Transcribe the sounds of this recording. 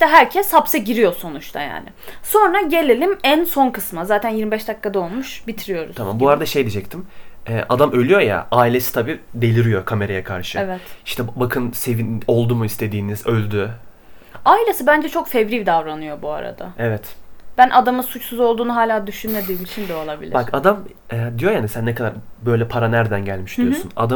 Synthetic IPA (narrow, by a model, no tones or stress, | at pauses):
iʃt̪ɛɦæɾcʰɛshapsɛɟiɾijo̞so̞nut͡ʃt̪ʰa̰ja̰ːnɪ̰so̞nɾaɟe̞lʲelʲimænso̞nkʰɯsmazaːt̪ʰænjiɾmibɛʃd̪akːad̪ao̞lˠmuʃbit̪ʰiɾijo̞ɾuzʰama̰mbuaɾad̪aʃejd̪ʲid͡ʒɛc̚t̪ʰimɛːʔad̪amølʲyjo̞ja̰ʔaːilʲe̞si̥t̪ʰabiːd̪e̞lʲiɾijo̞kʰame̞ɾajakʰaɾʃɯevɛt̪iʃt̪ʰɛbakʰɯnse̞vino̞lˠd̪umuist̪ʰe̞d̪iːnizølʲd̪y | aːilʲesɯbænd͡ʒɛt͡ʃʰo̞kfɛvɾivd̪avɾanɯjo̞bua̰ɾa̰d̪a̰ɛvɛt̪b̥ænʔad̪amɯsut͡ʃsuzo̞lˠd̪uːnuɦaːlʲaːd̪yʃynme̞d̪iːmit͡ʃʰind̪ɛo̞lˠabilʲibakad̪am | ɛd̪ijo̞jaːnisænːɛkʰad̪aɾbø̞jlʲɛpʰaɾanæɾd̪ænɟælʲmiʃd̪ijosṵna̰d̪a